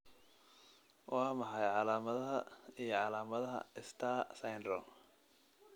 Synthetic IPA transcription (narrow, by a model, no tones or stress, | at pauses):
wʔɑːmɐħɑjʕɑlaːmɐðɐɦɐijɞʕɑlaːmɐðɐɦɐ̰ɪst̪ʰaːsɐjnd̪ɾɔ